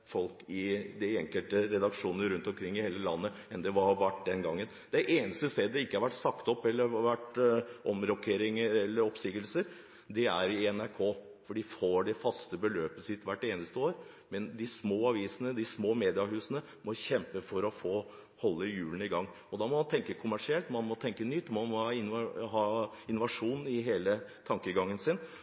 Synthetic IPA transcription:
fɔlkɪd̪ɛɛŋkəlt̪əɾɛd̪ɑkʂuːnəɾʉnt̪ɔmkʰɾɪŋːɪheːləlɑ̰nːə | ɛnd̪ɛʋɑʋæʈ̚ːd̪ɛnɡɑŋːən | d̪æɪʔeːnəst̪əst̪eːd̪d̪ɛɪkːəhɑɾʋæʈːsɑkt̪ɔpːɛlːəʋæʈːʔɔmɾɔkʰeːɾɪŋəɾɛlːəɾɔpsɪɡəlsəɾ | d̪ɛæ̰ɾɪɛnæɾkʰoːfɔɖifoɖɛfɑst̪əbəløːpəsɪt̪ːʋæʈːeːnəst̪əoːɾ | mɛnd̪ɪsmoːɑʋiːsənəd̪ɪsmoːmeːd̪ɪɑɦʉːsənə | mɔçɛmpəfɔɾɔfoː | hɔlːəjʉːlən̩ɪɡɑŋː | ɔd̪ɑːmɔmɑnt̪ʰɛŋkəkʰʊmæʂɪɛlt̪mɑnmɔt̪ʰɛŋkənʏt̪ːmɔmɑnhɑːɪnɦɑː | ɪnʊʋɑʂuːnɪɦeːlət̪ʰɑŋkəɡɑŋːənsɪn

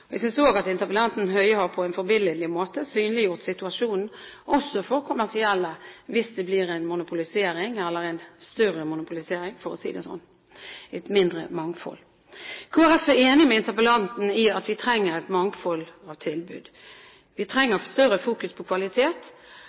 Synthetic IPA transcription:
ɔɛ̰ɡsʏnsoːɡɑt̪ɪnt̪əpəlɑnt̪n̩ɦœʏəhɑɾpʰɔɛnfɔɾbɪləlɪmoːt̪əsyːnlɪjʊʁt̪sɪt̪ʉɑʂuːnn̩ʔɔsːɔfɔɾkʰʊmæʁsɪɛlːəʋɪsd̪ɛblɪɾæɪnmʊnʊpʊlɪseːɾɪŋɛlːəɾɛɪnst̪œɾəmʊnʊpʊlɪseːɾɪŋfɔɾɔsḭːd̪ɛsɔ̰nː | ɛt̪mɪnd̪ɾə̰mɑŋfɔ̰l | kʰoːæɾɛfæɾeːnɪmɛɪnt̪əpəlɑnt̪n̩ɪɑt̪ʋɪt̪ʰɾɛŋːəɾɛɪt̪mɑŋfɔlɑːʋt̪ʰɪlbʉ̰ːd̪ | ʋɪt̪ʰɾɛŋːəst̪œɾəfuːkʉspʰɔkʰʋɑlɪt̪ʰeːt̪

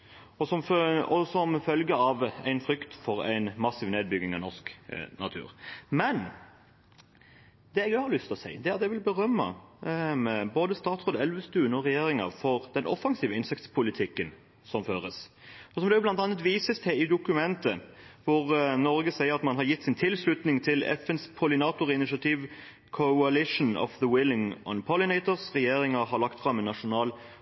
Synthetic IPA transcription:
ɔsɔmfɔsɔmfœlɡəɑʋæ̰ɪnfɾʏkt̪fɔɾæ̰ɪnmɑsːiːʋneːd̪̚bʏɡ̪ɪŋɑ̰ʋnɔʁsknʔɑt̪ʰʉ̰ːɾmɛn | d̪̥ɛɛɡæhɑɾlʏst̪ɔsæ̰ɪd̪ɛæɾɑt̪jɛʋɪlbəɾœmːə̰ | boːd̪əst̪ɑːt̪sʁoːd̪ɛlʋəst̪ʉːənɔʁɛjeːɾɪŋəfɔɾd̪̥ɛnʔɔ̰fːɑŋsiːʋəɪnsɛkt̪spʰʊlɪt̪ʰɪkːən | sɔmføːɾəsɔsɔmd̪ɛjʊblɑnt̪ɑnːət̪ʋiːsəst̪ʰɛɪd̪ʊkʉmɛnt̪əʋʊɾnɔɾɡəsæɪəɾɑt̪mɑnɦɑɾjɪt̪ːsɪnt̪ʰɪlslʉt̪nɪŋt̪ʰɪlɛ̰fɛnspʰʊlɪnɑːt̪ʊɾɪnɪʃɑt̪ʰiːʋ | kʰɔɑlɪʂn̩ɔ̰fðəwɪlɪŋɔ̰npʰɔlɪnɛɪt̪əɾsʁɛjeːɾɪŋəɾhɑɾlɑkt̪fɾɑmːɛnːɑʂʊnɑːl

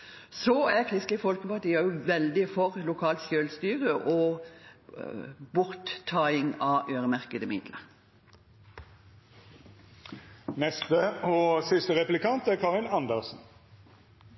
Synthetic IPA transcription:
sɔækʰʁɪst̪ɪfɔlkəpɑt̪iːɑjʊʋɛld̪ɪfɔʁlʊkʰɑːlt̪ʃøːlst̪yːʁəʔɔ | bʊʁt̪ʰːɑːɪŋɑʔøːʁəmæʁkəd̪əmɪ̰d̪lə̰ | nɛst̪əɔːsɪst̪əʁɛplɪkɑnt̪æʁkʰɑːʁɪnɑnd̪əsn̩

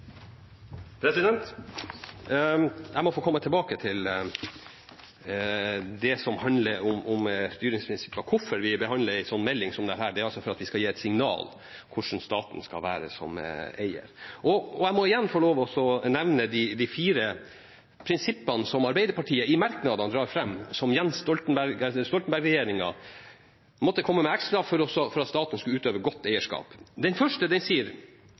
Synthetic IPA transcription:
pʰɾɛsɪd̪ɛnt̪ | jæɪmɔfoːkʰɔmːət̪ʰɪlbɑːkət̪ʰɪl | d̪ɛsɔmhɑnləɾʊmʊmst̪yːɾɪŋspʰɾɪnsɪ̥pːəkʰʊfːəɾʋɪbəɦɑnd̪ləæɪsɔnːmɛlːɪŋsɔmd̪ɛæːɾhæːɖɛæɾɑlsɔfɔɾɑt̪ʋɪskɑiːɛt̪sɪŋnɑ̰ːl | kʰʊʂn̩st̪ɑːt̪n̩skɑ̰lʋæːɾə̰sɔ̰meɪə̰ɾʔɔɔæɪmɔɪjɛnːfɔɭoːʋɔsɔnɛʋnəd̪ɪd̪ɪfiːɾə | pʰɾɪnsɪpːənsɔmɑɾbæɪd̪əɾpɑʈʰiːəʔɪmɑɾknɑd̪ɑnd̪ɾɑːɾfɾɛmːsɔmjɛnsst̪ɔlt̪n̩bæɾɡst̪ɔlt̪n̩bæɾɡɾɛjeːɾɪŋɑ̰ | mɔt̪ːəkʰɔmːəmɛækslɑːʋfɔɾɔsɔfɔɾɑt̪st̪ɑːt̪ənəskʉʉːt̪øːʋəɾɡɔt̪ːæɪəʂkɑ̰ːpd̪ɛnfœʂʈəd̪ɛnsiːəɾ

